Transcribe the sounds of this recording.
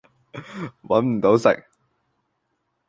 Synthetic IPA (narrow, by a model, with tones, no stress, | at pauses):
wɐ˨˥nm̩˨˩t̪o˨˥wsɪ̰˨k̚